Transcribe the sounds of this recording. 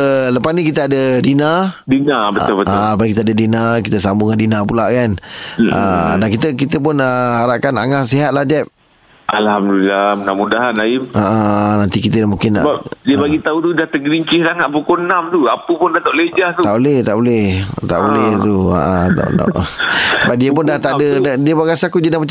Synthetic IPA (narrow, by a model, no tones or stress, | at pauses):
ləpasnĩkit̪əadədinadinabət̪ʊlbətːʊʔləpasnikit̪əadədinakit̪əsambuŋandinapulaʔkanə̰dankit̪əkit̪əp̬ʊnəhaɾaʔkana̰ŋasiɦat̪̚lahd͡ʒɛp̚ | ʔalhamdulilamənamudaɦanaɪmaʔanant̪ikit̪əamũŋkɪnbadiəbaɡit̪aut̪udaht̪əɡɾiɲt͡ʃɪhsaŋat̪̚pukonamt̪uapəpʊndat̪aʔled͡ʒaht̪ut̪aʔbolɛht̪a̰ʔbolɛht̪a̰ʔbolɛht̪ua̰ʔət̪a̰na̰ʔsəbap̚diəp̬ʊndaht̪aʔdədiəpaɡasaakud͡ʒənamat͡ʃa